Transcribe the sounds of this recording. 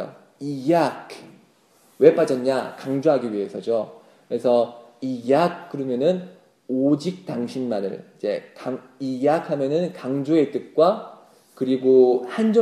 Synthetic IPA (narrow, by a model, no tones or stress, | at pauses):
o̰ | ijakʰ | we̞p͈ad͡ʑʌɲakaŋd͡ʑoɦaɡiɥiɦe̞sʰʌd͡ʑo | kɯɾesʰʌijak̚k͈ɯɾʌmjʌnɯn | od͡ʑik̚t͈aŋɕʰinmanɯ̰ɭid͡ʑe̞̰kaŋ | ijakʰamjʌnɯnkaŋd͡ʑoe̞t͈ɯk̚k͈wa | kɯɾiɡohand͡ʑʌ